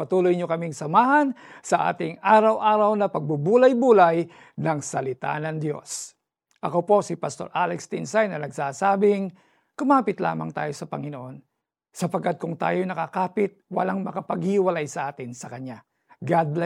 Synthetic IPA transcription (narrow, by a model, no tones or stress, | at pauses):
pɐt̪uːlojɲokɐmiŋsɐmaːɦɐnsɐʔa̰ːt̪ɪŋaːɾɐwʔaːɾɐwnɐpɐɡ̚bubuːlɐjbuːlɐj | nɐŋsɐlɪt̪a̰nɐŋd̪jo̞̰s | ʔɐkopo̞sɪpɐst̪o̞ɾʔalɛkst̪ɪnsajnɐnɐɡsaːsaːbɪŋ | kʊmaːpɪt̪la̰ːmɐ̰ŋt̪a̰ːjo̞sɐpɐŋɪnoʔo̞n | sɐpɐɡkad̪̚kʊŋt̪a̰ːjonɐkakaːpɪt̪̚wɐ̰laŋmɐkɐpɐɡhɪhɪwɐlajsɐʔaːt̪ɪnsɐkɐɲːa | ɡad̪lɛ